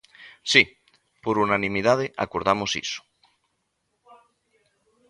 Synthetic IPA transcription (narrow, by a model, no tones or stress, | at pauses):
si | poɾunanĩmiðað̞eʔa̰koɾðamosḭso̥